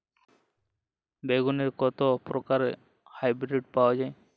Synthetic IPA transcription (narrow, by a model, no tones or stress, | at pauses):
beɡuneɾkɔt̪opɾokaɾe | hajbɾeɖ̚pawad͡ʑaj